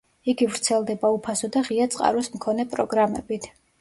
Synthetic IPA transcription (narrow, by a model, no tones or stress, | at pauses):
iɡivɾt̪sʰɛlˠd̪ɛbaupʰasɔd̪aʁiat̪sʼqʼa̰ɾɔsmkʰɔnɛpʼɾɔɡɾamɛ̰bit̪ʰ